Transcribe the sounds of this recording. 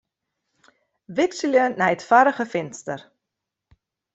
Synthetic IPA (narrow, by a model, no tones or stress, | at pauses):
ʋɪksiljənɛjətfaɾəχəfɪnstər